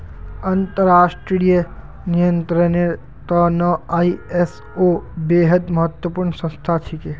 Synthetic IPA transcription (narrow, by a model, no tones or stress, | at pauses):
ɐ̃nt̪əɾaːʃʈɾɾijə | nijə̃nt̪ɾəne | t̪ɔːnɔaːies | obeːɦəd̪mɐɦət̪wəpuːɾɳsɐ̃nst̪ʰat͡ʃʰike